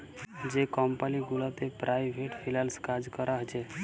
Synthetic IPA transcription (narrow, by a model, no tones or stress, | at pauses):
d͡ʒekɔmpaliɡulat̪epɾʔajbʱeʈpʰilalskad͡ʒkəɾaɦt͡ʃe